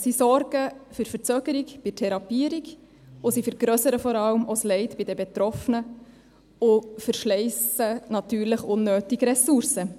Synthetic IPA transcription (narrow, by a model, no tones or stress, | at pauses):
sisɔɾɡ̥əfyɾfəɾt͡søːɡ̥əɾikb̥ɪtʰɛɾɑpiəɾiɡ | ʊsifəɾɡ̥ɾœsəɾəfɔɾɑləmoslɛɪtb̥ɪdɛbɛtɾɔfənə | ʊfəɾʃlɛɪsənɑt̪yːɾləχʊnːøːtiɡɾɛsuɾsə